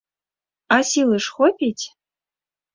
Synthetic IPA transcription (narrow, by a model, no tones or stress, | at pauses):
asilɨʂχʷɔpʰʲitʰʲ